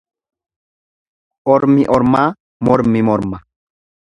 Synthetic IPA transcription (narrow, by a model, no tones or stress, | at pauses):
ɔɾmiʔɔɾma | mɔɾmimɔɾma